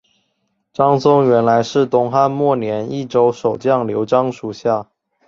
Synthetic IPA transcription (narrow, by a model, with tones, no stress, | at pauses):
ʈ͡ʂɑ˥ŋsʊ˥ŋɥɛ˧˥nla˧˥ɪʂɻ̩˥˩t̪ʊ˥ŋxa˥nmwɔ˥˩njɛ˧˥ni˥˩ʈ͡ʂo˥ʊʂo˨˩ʊt͡ɕjɑ˥˩ŋljo˧˥ʊʈ͡ʂɑ˥ŋʂu˨˩ɕja˥˩